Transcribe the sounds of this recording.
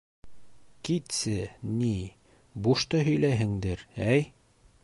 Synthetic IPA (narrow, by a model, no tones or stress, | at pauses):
kit̪sɘni | buʃt̪ɤɦɵ̆jlæɦɘ̆ŋd̪ɘɾæj